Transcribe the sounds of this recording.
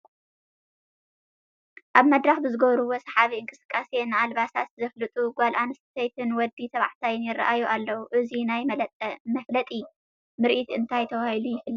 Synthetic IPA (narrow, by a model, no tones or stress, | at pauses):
ʔaβmɐd̪ɾaxbɨzɨɡɐβɾuwosɐħaβiɨŋkʼɨsɨ̥kʼːasenɨalβasat̪zɐflɨt̪ʼuɡʷalʔanɨst̪t̪ʰɐjt̪ʰɨnwɔd̪ːit̪ʰɐβa̰ʕt̪ʰajɪnjɪrːa̰ʔajuʔalːɐwuʔɨzinajlʼmɐflɐt̪ʼi | mɨɾʔit̪ɨnt̪ʰajt̪ʰɐwahilujɪfɨlːɐ